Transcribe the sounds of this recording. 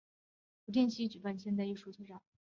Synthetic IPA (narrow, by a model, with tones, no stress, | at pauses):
pu˧˥t̪jɛ˥˧nɕi˧˥t͡ɕy˨˩pa˥˧nɕjnt͡sa˥˧i˥˩ʂu˥˩t͡sʰɤ˥˧ʈ͡ʂɑ˨˩˦